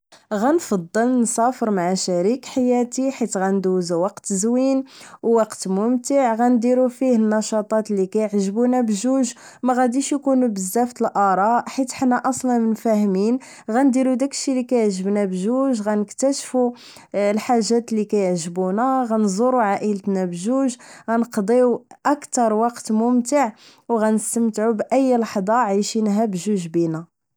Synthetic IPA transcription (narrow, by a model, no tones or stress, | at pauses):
ɣænfɑd̪ˤːəlnsɑfəɾmaʕaʃæɾikħajæt̪iħit̪ɣænd̪uzwɑqt̪zwinwwɑqt̪mʊmt̪əʕɣænd̪iɾufihənːɑʃɑt̪ˤɑt̪likæjəʕʒbunæbʒuʒ | mæɣæd̪iʃjkunubəzːæft̪əlʔɑɾˤɑʔħit̪ħnːæʔɑsˤlɑnmənfæhmin | ɣænd̪iɾud̪ækːʃilikæjəʕʒəbnæbʒuʒɣænəkt̪æʃfu | lħaʒːæt̪likæjəʕʒbunæɣænzˤoɾuʕaʔələt̪næbʒuʒɣænəqd̪ˤiwʔækt̪ɑɾˤwɑqt̪mʊmt̪əʕ | wɣænəst̪əmt̪ʕubʔəjːlɑħd̪ˤɑʕajʃinɦæbʒuʒbinæ